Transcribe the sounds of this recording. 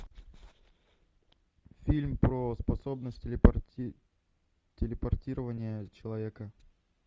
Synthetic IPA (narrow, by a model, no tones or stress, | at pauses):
fʲilʲmpɾospɐso̞bnəsʲtʲ | tʲɪlʲɪpɐrtʲiɾəvənʲɪjət͡ɕɪlˠɐvʲekə